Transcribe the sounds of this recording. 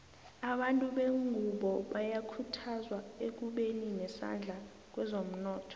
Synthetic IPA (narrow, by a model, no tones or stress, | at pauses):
aɓantʼuɓeŋʱuɓɔɓajakʰutʰazwaek̬uɓeninɛsa̰nd͡ɮʱa | k̬wɛzom̩nɔːtʰɔ̥